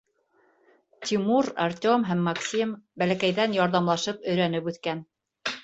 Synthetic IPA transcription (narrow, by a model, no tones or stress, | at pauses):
t̪ʲimuɾa̰rtʲomɦæmːɑksʲimbælækæjðænjɑɾðɑmlˠɑʃɤpɵ̆jɾænɘpʉθkæn